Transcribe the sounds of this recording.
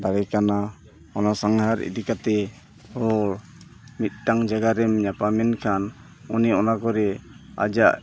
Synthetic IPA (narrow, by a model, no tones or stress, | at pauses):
d̪aɾɛkana | ɔnasaŋɦaɾḭd̪ikat̪ɛ | hɔɾ | mit̪̚ˀʈaŋd͡ʒaɡaɾɛmɲapamɛnkʰan | uniɔnakɔɾɛa̰d͡ʒaʔ